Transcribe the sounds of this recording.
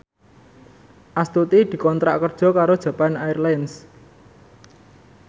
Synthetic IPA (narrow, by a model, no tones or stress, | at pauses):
ʔast̪ut̪id̪̥i̤kɔnt̪ɾa̰ʔkərd̥ʒ̥ɔ̤kaɾod̥ʒ̥ä̤panairlajns